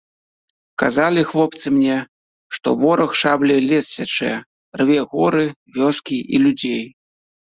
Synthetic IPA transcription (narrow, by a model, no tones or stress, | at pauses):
kazalʲixlˠɔp̚t̪sɨmnʲɛ | ʂt̪ɔ̰vɔɾɐxʂablʲɛlʲɛssʲat͡ʂɨ̰jɛ | rvʲɛɣɔɾɨvʲɔskʲiʔilʲud͡zʲej